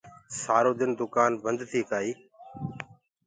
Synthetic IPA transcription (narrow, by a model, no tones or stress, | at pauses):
saːɾoːd̪ɪnd̪ʊkaːnbənd̪t̪ʰiːkaːiː